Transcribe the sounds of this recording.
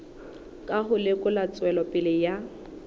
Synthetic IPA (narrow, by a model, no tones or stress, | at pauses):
kʼaɦʊlɪkʼʊlat͡sʼwɛlɔpʼɪlɪja